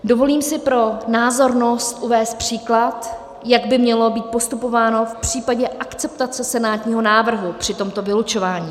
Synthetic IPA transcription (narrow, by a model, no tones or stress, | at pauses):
do̞vo̞liːmsɪpɾo̞naːzo̞ɾno̞st̪ʔuvɛːst̪̚pr̝̥iːklat̪ | jaɡbɪmɲɛlo̞biːt̪̚po̞st̪upo̞vaːno̞fpr̥iːpaɟɛʔakt͡sɛpt̪at͡sɛsɛnaːt̪ɲiːɦo̞naːvr̩ɦupr̥ɪt̪o̞mt̪o̞vɪlut͡ʃo̞vaːɲiː